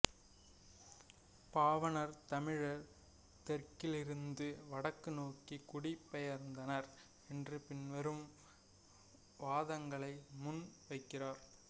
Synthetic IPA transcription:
paːʋɐnɐɾt̪ɐmɪɻɐɾ | t̪ɛrkːɪlɪɾɯnd̪ɯʋɐɽɐkːɯnoːkikʊɽɪpːɛjɐɾnd̪ɐnɐɾ | ɛndrɯpɪnʋɐɾɯm | ʋaːðɐŋɡɐɭɐɪmʊnʋɐɪkːɪraːɾ

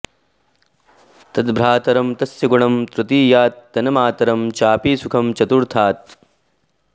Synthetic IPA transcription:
t̪ɐd̪bʱɾaːt̪ɐɾɐmt̪ɐsjɐɡuɳɐmt̪ɾut̪iːjaːt̪̚ːɐnɐmaːt̪ɐɾɐmt͡ʃaːpiːsukʰɐmt͡ʃɐt̪uɾt̪ʰaːt̪̚

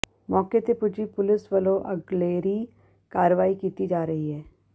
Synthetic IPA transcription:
mɔːket̪epʊd͡ʒipʊlɪsʋəloʔɐɡleːɾi | kaːɾəʋaːikiːt̪id͡ʒaːɾɐɦiɦɛː

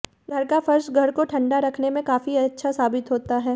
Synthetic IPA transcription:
ɡʱɐɾkafɐɾʃɡʱɐɾkoʈʰɐ̃ɳɖaɾɐkʰnemẽkaːfiɐtːʃʰasaːbɪt̪ɦoːt̪aɦɛː

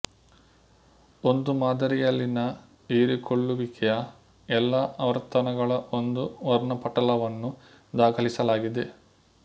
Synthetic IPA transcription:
o̞nd̪umaːd̪ɐɾijɐlːinɐ | iːɾikʰoɭːuʋikɛjɐ | ɛlːɐʔɐʋɐɾt̪ɐnɐɡɐɭɐʔo̞nd̪uʋɔɾɳɐpɐʈɐlɐʋɐnːu | d̪aːkʰɐlisɐlaːɡid̪e̞

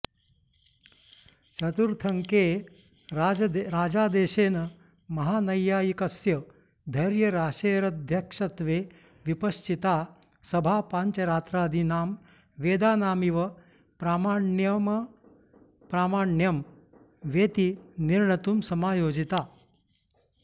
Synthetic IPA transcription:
t͡ʃɐt̪uɾt̪ʰɐŋkeː | ɾaːd͡ʒaːd̪eːʃeːnɐ | mɐɦaːnɐjːaːjikɐsjɐ | d̪ʱɐɾjɐɾaːʃeːɾɐd̪ʱjɐkʂɐt̪ʋeː | ʋipɐʃt͡ʃit̪aː | sɐbʱaːpaɲt͡ʃɐɾaːt̪ɾaːd̪ʱinaːm | ʋeːd̪aːnaːmiʋɐ | pɾaːmaːɳjɐmɐ | pɾaːmaːɳjɐm | ʋeːt̪iniɾɳɐt̪uːmsɐmaːjoːd͡ʒit̪aː

